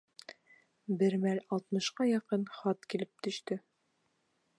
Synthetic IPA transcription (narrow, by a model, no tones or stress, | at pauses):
bɘɾmælɒlˠt̪mɤ̆ʃqɑjɑqɤnχɑt̪kilɘp̚t̪ɵ̆ʃt̪ɵ